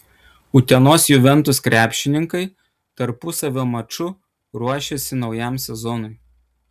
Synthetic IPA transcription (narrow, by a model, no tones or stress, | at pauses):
ʊt̪ʲɛnoːsjʊʋʲɛnt̪ʊskɾʲæːpʲʃʲɪnʲɪŋkɐɪ | t̪ɐɾpʊsɐʋʲoːmɐt͡ʃʊ | ɾuɔʃʲesʲɪnɒʊjæˑmsʲɛzɔnʊɪ